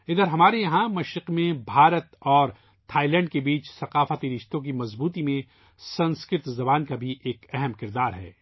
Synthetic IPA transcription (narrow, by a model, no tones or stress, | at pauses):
ɪd̪əɾɦɐmaːɾejɐɦãmɐʃɾɪqmẽbʱaːɾət̪ɔːɾ | t̪ʰaːilɛ̃ːɳɖ̚kebiːt͡ʃsɐqaːfət̪iɾɪʃt̪õk̬imɐzbuːt̪imẽ | sɐ̃nskɾɪɾt̪zɐbaːnkabʱiʔeːkɛɦɛmkɪɾd̪aːɾɦɛ̰ː